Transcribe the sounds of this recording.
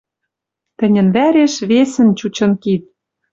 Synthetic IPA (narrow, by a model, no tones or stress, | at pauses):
t̪ɘ̆nʲɘ̆nβæɾeʃβesɘ̆nt͡ɕut͡ɕɤ̆nkit̪̚